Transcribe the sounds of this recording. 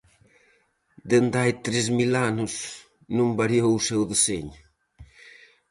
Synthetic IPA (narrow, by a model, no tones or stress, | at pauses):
d̪end̪ajt̪ɾezmilanus | nũmbaɾjowsewðeseɲ